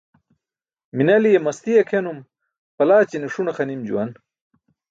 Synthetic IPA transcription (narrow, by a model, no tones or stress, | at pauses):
minɐlijemɐst̪ijɐkʰenum | pɐlaːt͡ɕiniʂunɐxɐnimd͡ʑṵwɐn